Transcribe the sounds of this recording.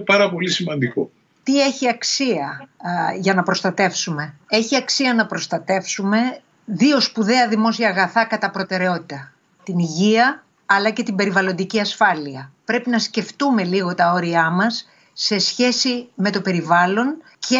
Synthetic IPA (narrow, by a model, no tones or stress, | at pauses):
pɐɾɐpo̞lisimɐnd̪iko̰ | t̪ie̞çiɐksiɐ | ʝɐnɐpɾo̞st̪ɐt̪e̞fsume̞e̞çiɐksiɐnɐpɾo̞st̪ɐt̪e̞fsume̞ | ðio̞spuðe̞ɐðimo̞siɐːɣɐθɐkɐt̪ɐpɾo̞t̪e̞ɾe̞o̞t̪i̥t̪ɐ | t̪iniʝiɐ | ɐlɐce̞t̪imbe̞ɾivɐlo̞nd̪iciɐsfɐliɐpɾe̞pinɐsce̞ft̪ume̞liɣo̞t̪ɐo̞ɾiɐmɐsː | e̞sçe̞sime̞t̪o̞pe̞ɾivɐlo̞n | ce